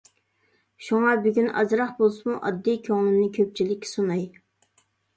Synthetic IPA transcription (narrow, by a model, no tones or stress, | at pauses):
ʃuŋɑbyɡʲynɑ̰zɾɑχbolˠsumuʔɑ̰d̪ːijkʲʰøŋlˠɪmnɪkʲʰøp̚t͡ʃʰilɪkʲːsunɑj